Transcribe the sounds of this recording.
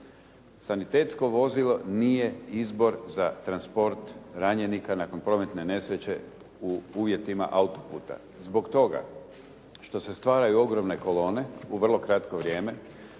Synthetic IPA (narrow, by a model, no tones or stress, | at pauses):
sanit̪e̞ːt̪sko̞ʋo̞zilˠo̞niːje̞izbo̞ɾzat̪ɾanspo̞ɾt̪ɾaɲe̞nikanako̞npɾo̞me̞t̪ne̞ne̞sɾet͡ɕe̞ | uuːʋje̞t̪ima̰ʔaut̪o̞pṵːt̪a̰ | zbo̞kt̪o̞ɡa̰ | ʃt̪o̞se̞st̪ʋaːɾajuo̞ɡɾo̞mne̞ko̞lo̞ːne̞uʋr̩lˠo̞kɾat̪koʋɾje̞ːme̞